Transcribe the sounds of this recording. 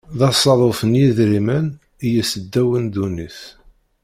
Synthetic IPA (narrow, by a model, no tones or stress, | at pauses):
ðɑsˤːɑðˤofənjiðɾimæn | ijəsəd̪ːæwənd̪uniθ